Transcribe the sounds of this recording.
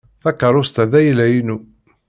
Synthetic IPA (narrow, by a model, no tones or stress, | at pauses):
θækːəɾˤʊst̪æðæjlæjinu